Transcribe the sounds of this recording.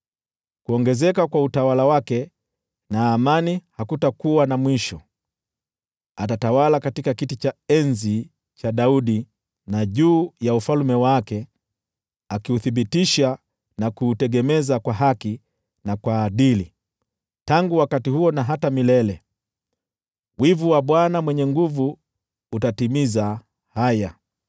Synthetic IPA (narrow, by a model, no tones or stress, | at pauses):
kuɔŋɡɛzɛkakwautawalawakɛ | naːmanihakutakuwanamwiʃɔ | atatawalakatikakitit͡ʃaɛnzi | t͡ʃaɗauɗi | naʄuːjaufalmɛwakɛ | akiuθiɓitiʃa | nakuːtɛɡɛmɛzakwaɦaki | nakwaːɗili | taŋɡuwakatihuɔnaɦatamilɛlɛ | wivuwaɓwanamwɛɲɛŋɡuvuː | tatimiza | haja